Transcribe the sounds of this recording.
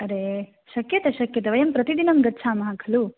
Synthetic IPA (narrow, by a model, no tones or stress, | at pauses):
ɐɾe | ʃɐkjɐt̪ɐʃɐkjɐt̪ɐʋɐjɐmpɾɐt̪id̪inɐmɡɐtːt͡ʃʰaːmɐɦakʰɐlu